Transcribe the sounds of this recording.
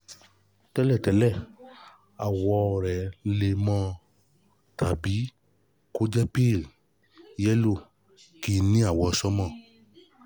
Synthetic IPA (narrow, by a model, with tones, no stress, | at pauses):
tɛ˦lɛ˦˨tɛ˨˦lɛ˦˨ | a˨wɔ˧ɾɛ˨˦le˧mɔ̃˧ | tʰa˨bi˨˦ | ko˦d͡ʒɛ˦pi˦˨l | jɛ˦lo˦˨ | ki˧˨nĩ˦a˨wɔ˧˨sɔ˦mɔ̃˦˨